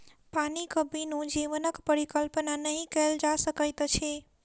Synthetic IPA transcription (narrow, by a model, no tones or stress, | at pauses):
panikəbinũd͡ʒiʋənəkpəɾikəlpnanəɦĩkəld͡ʒasəkəjt̪t͡ʃʰe